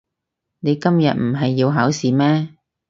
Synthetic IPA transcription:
ne˨˧jkɐ˥mjɐ̰˨t̚m̩˨˩ɦɐ˨jːiː˧wɦaː˨˥wsiː˨mɛː˥

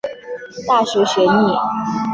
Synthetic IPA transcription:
t̪a˥˩ʂu˧˥ɕɥɛ˧˥ni˥˩

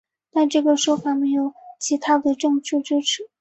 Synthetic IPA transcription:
t̪a˥˧ɪʈ͡ʂɤ˥˩ɡə˩ʂwɔ˥fa˨˩me˧˥ɪjo˨˩ʊt͡ɕʰi˧˥t̪ʰa˥d̪ə˨ʈ͡ʂɤ˥˧ŋʈ͡ʂɻ̩˥˩ʈ͡ʂɻ̩˥ʈ͡ʂʰɻ̩˨˩˦

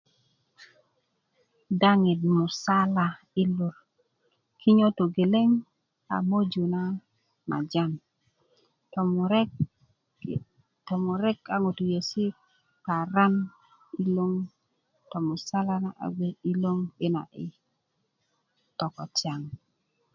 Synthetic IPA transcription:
da˦ŋɪ˨dmʊ˨sa˦la˨ | i˦lu˨ɾ | kʰi˦ɲo˦to˨ɡe˨le˦ŋ | a̰˨mo˦d͡ʒu˨na˦ | na̰˨d͡ʒa˦˨n | tɔ | tɔ˨mʊ˨ɾɛ˦ka˨ŋo˨tu˨je˨si˦ | ka˨ɾa˦n | i˦lo˦ŋ | tɔ˨mʊ˨sa˦la˦na˦ʔa̰˨ɡʷe˦i˦lo˦ŋɪ˦na̰˨ʔɪ˨ | tɔ˨kɔ̰˨t͡ʃja˨ŋ

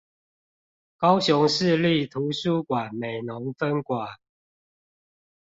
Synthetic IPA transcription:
kɑ˦ʊɕɔ˨˦ŋʂɻ̩˥˨˧li˥˨t̪ʰu˨˦su˥˩kwa˨˩nme˨˩ɪnɔ˨˦ŋfə˦nkwa˨˩˦

